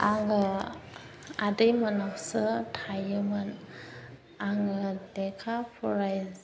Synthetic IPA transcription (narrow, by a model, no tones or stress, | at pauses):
aŋɯ | adɯjmanaksɯtʰajɯmɯn | aŋɯdekʰapʰuɾajz